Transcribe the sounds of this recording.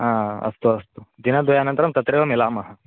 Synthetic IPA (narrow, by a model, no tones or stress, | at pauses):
ɦãɐ̰st̪oɐst̪od̪inad̪ojanənt̪ɐɾɐmt̪ɐt̪ɾeʋəmilamɐɦa